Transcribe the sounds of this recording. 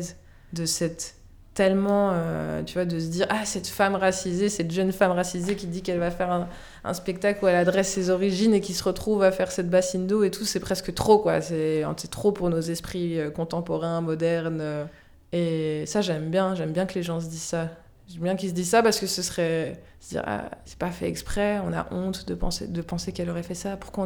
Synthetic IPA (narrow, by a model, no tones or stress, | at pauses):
z | d̪əsɛt̪ː | ɛlmɑ̃ø̰t̪yvwad̪əs̬əd̪iʁasɛt̪famʁasizesɛt̪ʒənfamʁasizekʲid̪ikɛlvafɛʁɛ̃ | ʔɛ̰̃spɛk̚t̪akluɛlad̪ʁɛsːezɔʁiʒinekʲisəʁət̪χuvafɛʁsɛt̪̚basind̪oet̪usɛpχɛskət̪χokwa̰sɛɛ̰̃sɛt̪χopuʁnozɛspχiøkɔ̃t̪ɑ̃pɔʁɛ̃mɔd̪ɛʁnø | esaʒɛmbjɛ̃ʒɛmbjɛ̃kəleʒɑ̃s̬əd̪izsa | ʒɛmbjɛ̃kils̬d̪izsapaʁsəkəsəsχɛ | səd̪ḭʁa̰sɛ̥pafɛ̰ɛ̰kspχɛɔ̃na̰ʔɔ̃t̪d̪əpɑ̰̃sḛd̪əpɑ̃sekɛlɔʁɛfɛsapu̥ʁkwã